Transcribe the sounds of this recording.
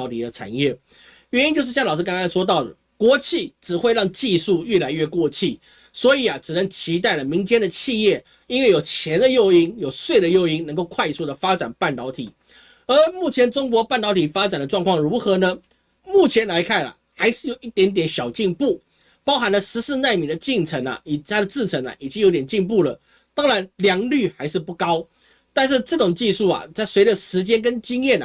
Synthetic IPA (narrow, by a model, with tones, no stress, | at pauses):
t̪ʰi˨˩d̪ə˦ʈ͡ʂʰa̰˨˩njɛ˥˩ | ɥɛ˧˥ni˥nt͡ɕjo˥˧ʂ̬ɻ̩˥˧ɕjɑ˥˩ŋlɑ˨˩ʂɻka˥ŋɡɑ˥nʂwɔ˥t̪̬ɑ˥˩ʊd̪ə˨˩ | kwɔ˧˥t͡ɕʰi˥˩ʈ͡ʂɻ̩˨˩xwe˥˧ɪɻɑ˥˧ŋt͡ɕi˥˧su˥˧ɥɛ˥˩la˧˥ɪɥɛ˥˧kwɔ˥˧t͡ɕʰi˥˩ | swɔ˧˥i˨˩ɐ˩ʈ͡ʂɻ̩˨˩nə˧˥ŋt͡ɕʰi˧˥t̪a˥˩ɪlə˩mi˧˥ŋt͡ɕjɛ˥nd̪ə˨t͡ɕʰi˥˧jɛ˥˩ | i˥nwe˥˩ɪjo˨˩ʊt͡ɕʰjɛ˧˥nd̪ə˧jo˥˧ʊi˥ŋjo˨˩ʊswe˥˩ɪd̪ə˩jo˥˧ʊi˥ŋnə˧˥ŋko˥˧ʊkʰwa˥˧ɪsu˥˩d̪ə˩fa˥ʈ͡ʂa˨˩npa˥˩nt̪ɑ˧˥ʊt̪ʰi˨˩˦ | ə˧˥mu˥˩t͡ɕʰjɛ˧˥nʈ͡ʂʊ˥ŋkwɔ˧˥pa˥˩nt̪ɑ˧˥ʊt̪ʰi˨˩fa˥t͡sa˨˩nd̪ə˦ʈ͡ʂwɑ˥˧ŋkʰwɑ˥˩ŋɻu˧˥xɤ˧˥nə˧ | mu˥˩t͡ɕʰjɛ˧˥nla˧˥ɪkʰa˥˩na̰˩xa˧˥ɪʂɻ̩˥˩jo˨˩ʊʔi˥˩t̪jɛ˧˥nt̪jɛ˨˥nɕjɑ˨˩ʊt͡ɕi˥˧ŋpu˥˩ | pɑ˥ʊxa˧˥nlə˧ʂɻ̩˧˥sɹ̩˥˧na˥˩ɪmi˧˥ŋd̪ə˨t͡ɕi˥˧˩ŋt͡sʰə˧˥ŋɐ̰˨i˨˩t̪ʰa˥d̪ə˨t͡sɹ̩˥˩t͡sʰə˧˥ŋa̰˨˩ʔi˨˩t͡ɕi˥ŋjo˧ʊt̪jɛ˨˩nt͡ɕi˥˧ŋpu˥˩lə̰˩ | t̪ɑ˥ŋɻa˧˥nljɑ˧˥ŋly˥˩xa˧˥ɪʂɻ̩˥˧pu˥˩kɑ˥ʊ | t̪a˥˧nʂ̬ɻ̩˥˧ʈ͡ʂɤ˥˩ʈ͡ʂʊ˨˩ŋt͡ɕi˥˧ʂu˥˩ɐ̰˩t͡sa˥˩ɪswe˧˥ɪdə˨ʂɻ̩˧˥t͡ɕjɛ˥nk̬ə˥nt͡ɕi˥ŋjɛ˥˩n̰˨˩